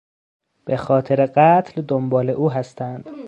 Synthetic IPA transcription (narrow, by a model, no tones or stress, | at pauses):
b̥exɒːt̪ʰeɾeɢæt̪ʰld̪ombɒːle̞ʔuːɦæst̪ʰænd̪̥